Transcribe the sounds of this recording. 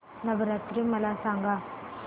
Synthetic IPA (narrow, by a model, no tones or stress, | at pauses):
nɐbɐɾat̪ɾɯmɐlaːsaːŋɡa